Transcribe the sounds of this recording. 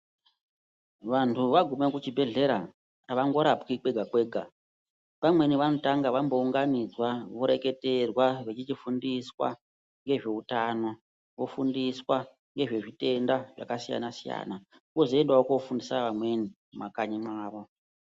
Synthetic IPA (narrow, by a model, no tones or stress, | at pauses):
ʋantʰuʋaɡʱumekut͡ʃibʱe̞ɮe̞ɾa | ʋaŋɡo̞ɾapkikwe̞ɡʱakwe̞ːɡʱa | pamwe̞niʋano̞taŋɡaʋambo̞uŋɡanid͡zwaʋoɾe̞ke̞te̞rwaʋe̞t͡ʃit͡ʃifundiswa̰ | ŋɡe̞ʐe̞utaːno̞ | ʋofundiswa | ŋɡe̞ʐe̞ʐite̞ndaʐakasija̰nasija̰ːna | kozoendwaokofundisaʋamwe̞nimmakaɲimaːʋo̞